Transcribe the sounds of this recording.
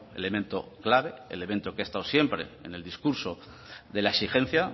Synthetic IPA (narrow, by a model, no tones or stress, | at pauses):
e̞̰le̞mẽnt̪o̞̰klaβ̞e̞ḛle̞ment̪o̞keest̪awsje̞mpɾe̞̰ḛne̞ld̪iskuɾso̞ | ðe̞laesixẽ̞n̟θja